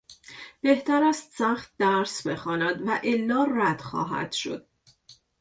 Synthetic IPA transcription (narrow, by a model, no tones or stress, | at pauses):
b̥e̞ht̪æɾæst̪sæxt̪̚d̪æɾsbe̞xɒːnæd̪væʔelːɒːræd̪̥xɒ̰ːɦæ̰d̪̥ʃo̞̰d̪̥̚